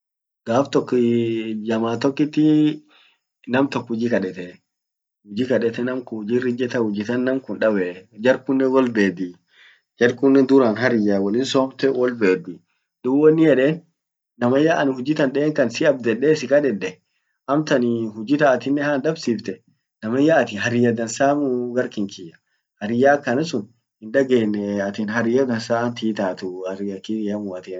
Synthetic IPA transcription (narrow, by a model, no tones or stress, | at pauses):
ɡ̥aːft̪ɔkːɪd͡ʒɐmaːt̪ɔkːɪt̪ːɪ | nɐmt̪ɔkːhʊd͡ʒiːkɐᶑɛt̪ɛ | hʊd͡ʒikɐɗɛt̪ɛnɐmkʊʊd͡ʒiɾːɪd͡ʒɛt̪ɐhʊd͡ʒɪt̪ɐnːɐmkʊnᶑɐbɛd͡ʒɐɾkʊnːɛwɔlbeːd̪i | d͡ʒɐɾkʊnːɛnd̪ʊɾaːnɦɐɾɪjawɔlɪnsɔːbt̪ɛwɔlbeːd̪ɪ | d̪̥ʊbwɔnːɪjɛᶑeːnː | ɐmɐjaʔɐnhʊd͡ʒɪt̪ɐnɗɛːŋkɐnsɪɐb̚d̪ɛᶑeːsɪkɐᶑɛᶑɛ | ʔɐmt̪ɐnɪhʊd͡ʒɪt̪ɐːt̪ɪnːɛhaːnd̪ɐbsiːft̪ɛ | nɐmɐjaʔːt̪ɪɦɐɾɪjɐd̪ɐnsaːmʊɡɐɾkɪŋkɪjɐ̥ | hɐɾɪjaːkːɐnɐsʊn | hɪnd̪ɐɡeːnːɛɐt̪ɪːnɦɐɾɪjɐd̪ɐnsaːnt̪iːt̪aːt̪ʊhɐɾɪɐkːimʊɐt̪iː